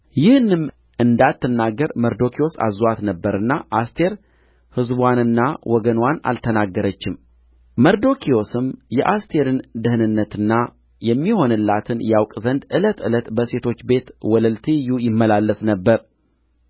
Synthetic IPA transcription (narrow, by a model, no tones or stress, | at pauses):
jɪhɨnːɨm | ʔɨnd̪at̪ːɨnːaɡːəɾməɾd̪o̞kʰio̞sa̰zwat̪nəbːəɾɨnːaʔast̪ʰe̞ɾ | hɨzbwanɨnːawʔɔɡənwana̰lt̪ʰənaɡːəɾət͡ʃːɪm | məɾd̪o̞kʰio̞sɨmjɛʔast̪ʰe̞ɾɨnd̪ɨhɨnɨnːət̪ɨnːa | jɛmːiho̞nɨlːat̪ʰɨnjawkʼzənd̪ɨlət̪ɨlət̪bəse̞t̪ʰo̞t͡ʃːbe̞t̪wɔləlt̪ʰijujɪmːəlalːəsnəbːəɾ